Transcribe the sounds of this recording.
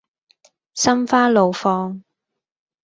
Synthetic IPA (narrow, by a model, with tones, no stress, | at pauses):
sɐ˥mfaː˥lo˨wfɔː˧ŋ